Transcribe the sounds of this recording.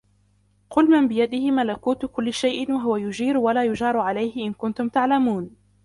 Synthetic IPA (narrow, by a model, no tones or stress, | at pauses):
qʊlmambɪjad̪ɪhɪmalakuːt̪ʊkʊlːʃajʔɪnwaɦʊwajʊd͡ʒiːɾwalaːjʊd͡ʒɑːɾˤʕalajhɪʔɪnkʊnt̪ʊmt̪aʕlamuːn